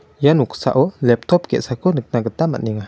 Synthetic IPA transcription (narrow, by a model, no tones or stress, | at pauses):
janwuksa̰ʔolɛp̚t̪ɔp̚kɛ̰ʔsakonək̚naɡət̪ama̰ʔniŋa